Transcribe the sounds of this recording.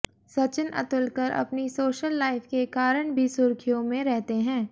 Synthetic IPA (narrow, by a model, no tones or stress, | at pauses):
sɐt͡ʃɪnʔɐ̰t̪ʊlkəɾʔɐ̰pnisoːʃəlːaːɪfkekaːɾəɽ̃bʱisʊɾkʰijõmẽɾɛɦt̪eɦɛ̃ː